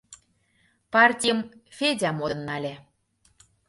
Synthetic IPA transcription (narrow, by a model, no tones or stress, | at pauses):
pɑrtʲijəmfʲedʲɑmoɤ̆nːɑlʲe